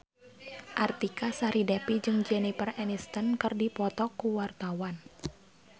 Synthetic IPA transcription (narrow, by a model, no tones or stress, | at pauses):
ʔart̪ikasaɾidɛpid͡ʒɨŋd͡ʒɛnipərɛnist̪ənkɨrdipɔt̪ɔkuwart̪awan